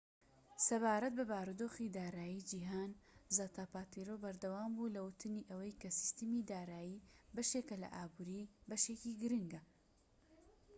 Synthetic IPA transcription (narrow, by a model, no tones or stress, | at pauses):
sɐβaːɾɐt̪̚bɐbaːɾud̪oːxid̪aːɾaːjid͡ʒiɦaːnzat̪apaːt̪iɾobɐɾd̪ɐwaːmbuːlɐwʊt̪ʰɨniːʔɐwɐjkɐsi̥st̪ɨmid̪aːɾaːjibɐʃekɐlɐ̰ʔaːbuɾiːbɐʃekiɡɨɾɨŋɡɐ